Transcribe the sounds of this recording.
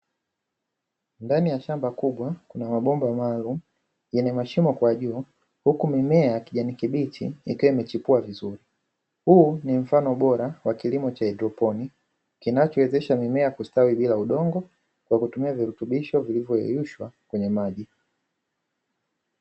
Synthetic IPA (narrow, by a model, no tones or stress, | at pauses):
ndanijaʃambakuɓwakunamaɓɔmbamaːlumu | jɛnɛmaʃimɔkwaʄuː | hukumimɛajakiʄanikiɓitʰḭḭkiwɔimɛt͡ʃipuavizuɾi | huːnim̩fanɔɓɔɾawakilimɔt͡ʃaɛdɾɔpɔni | kinat͡ʃɔwɛzɛʃamimɛakustawiɓilauɗɔŋɡɔ | kwakutumiaviɾutuɓiʃɔvilivjɔjɛ̰juʃwakwɛɲɛmaʄi